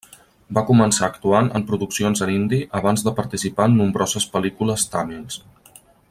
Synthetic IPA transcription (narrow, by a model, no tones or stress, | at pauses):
bakumənsaəkt̪uanə̰mpɾuðuksionzənind̪iʔəβ̞anzðəpəɾt̪isipaənːumbɾɔzəspəlikuləst̪amils